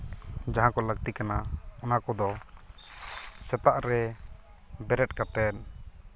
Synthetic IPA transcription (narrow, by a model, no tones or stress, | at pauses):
d͡ʒaɦãkɔləɡ̚t̪ikanaɔnakɔd̪ɔ | sɛt̪aʔɾɛ | bɛɾɛʈ̚kat̪ɛt̚